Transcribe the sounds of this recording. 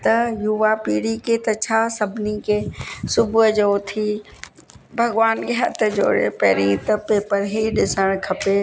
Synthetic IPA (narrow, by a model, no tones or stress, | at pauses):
t̪ɐjʊʋapiːɽiket̪ɐt͡ɕʰasɐbʱnikesʊbʱʊd͡ʒoːt̪ʰi | bʱɐɡʋaːnkeɦɐ̰t̪ʰd͡ʒo̰ːɽḛpɛ̰ːɾĩt̪ɐpeːpəɾɦiɗɪsəɽ̃kʰɐpe